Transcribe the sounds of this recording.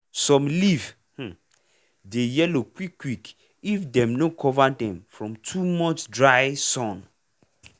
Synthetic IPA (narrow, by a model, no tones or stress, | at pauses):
sɔ̃mliv | h̩ | dejɛlokwikːwik | ifdɛ̃mnokʰɔvadɛ̃mfɹɔ̃mtʰumɔt͡ʃdɹajsɔ̃n